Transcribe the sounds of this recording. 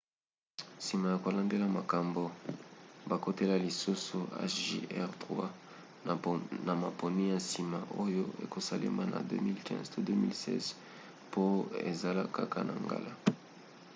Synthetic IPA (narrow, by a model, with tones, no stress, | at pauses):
si˨ma˨ja˨ko˨la˨nde˦la˨ma˨ka˨mbo˨ | ba˨ko˦te˦la˨li˨su˦su˨a̰˦ʃʒḛ˦ɛ˦ʁtʁwa˦˨ | na˨ma˨po˨ni˦ja˨si˨ma˨ʔo˦jo˦ḛ˨ko˨sa˦lḛ˦ma˦na̰˨dø̰˦mi˦lkʰɛ̰̃˦ztʰo˦dø˦mi˦lsɛ̰˦z | pʰo˦ḛ˨za˨la˦ka˦ka̰˨na̰˨ŋɡa̰˦la˦